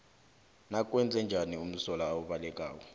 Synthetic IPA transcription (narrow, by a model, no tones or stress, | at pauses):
nak̬ʼwɛnd͡zʱɛnd͡ʒʱanium̩sɔlaːwuɓalɛk̬ʼaːwɔ